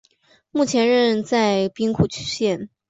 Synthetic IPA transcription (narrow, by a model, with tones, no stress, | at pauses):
mu˥˩t͡ɕʰjɛ˧˥nɻə˥˧nt͡sa˥˩ɪpi˥ŋkʰu˨˩t͡ɕʰy̥˥ɕjɛ˥˩n